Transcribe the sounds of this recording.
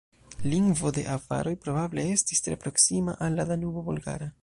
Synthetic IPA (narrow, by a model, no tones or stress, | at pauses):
liŋɡvo̞de̞̰ʔava̰ɾo̞jpɾo̞bable̞e̞stistɾe̞̰pɾo̞ksima̰ʔalːadanubobulɡa̰ɾa